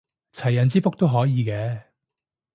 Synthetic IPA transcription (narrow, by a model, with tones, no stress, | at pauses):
t͡sʰɐ˨˩jːɐ˨nt͡siː˥fʊ˥k̚t̪o˥wɦɔː˨˥jiː˨˧kɛː˨˧